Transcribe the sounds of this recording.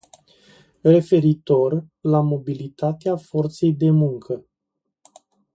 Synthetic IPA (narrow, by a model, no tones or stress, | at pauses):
re̞fe̞ɾit̪o̞rlamo̞bilit̪at̪eafo̞rt̪se̞jd̪e̞muŋkʰə